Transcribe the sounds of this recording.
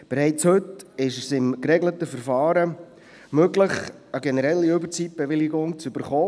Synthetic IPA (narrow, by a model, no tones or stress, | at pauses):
b̥eɾɛɪt͡shɵtɪʃəsɪmkɾɛɡlətəfəɾfɑːɾə | møɡləχ | əɡenəɾɛlːiʏbəɾt͡sip̚b̥eʋɪlɪɡʊŋt͡sʏb̥əɾχoː